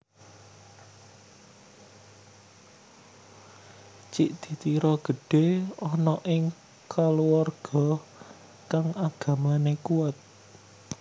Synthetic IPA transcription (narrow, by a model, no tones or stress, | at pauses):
t͡ʃiʔd̪̥i̤t̪iɾɔɡ̥ə̤ɖ̥e̤ɔnɔʔɪŋ | kaluwarɡ̥ɔ̤ | kaŋaɡ̥ä̤manekuat̪̚